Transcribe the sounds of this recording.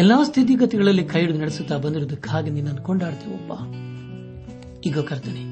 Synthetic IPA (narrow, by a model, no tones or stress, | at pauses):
ɛlːaːst̪ʰit̪̬iɡɐt̪ɛɡɐɭɐlːikʰɐjiɽud̪nɐɽesut̪ːaːbɐnd̪iɾod̪ɐkaːɡeninːɐnkoɳɖaːɽt̪eʋɔpːa | iːɡɐkɐɾt̪ini